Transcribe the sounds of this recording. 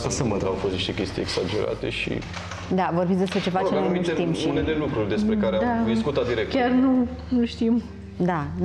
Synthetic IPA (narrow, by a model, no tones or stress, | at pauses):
sasəməd̪aawfost̪niʃt̪e̞kʲest̪ijeksad͡ʒeɾʔa̰t̪e̞̰ʃḭ | d̪avorbit̪sʲd̪espɾet͡ʃe̞fat͡ʃemmiuet̪imʃiunelelukɾurʲd̪e̞spɾe̞kaɾead̪ad̪isskut̪at̪̚d̪iɾek̚tk̪ʲarnu | nuʃt̪im | d̪an